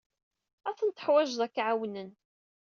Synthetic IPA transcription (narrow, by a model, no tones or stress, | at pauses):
æθənt̪ə̥ħwæʒðˤækʕawnən